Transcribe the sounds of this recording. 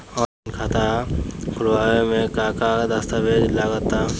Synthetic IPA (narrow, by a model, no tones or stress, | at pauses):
ɔː | nkʰaːt̪aɦkʊlwaːemẽkaːkad̪əst̪aʋed͡ʒlaɡət̪ːa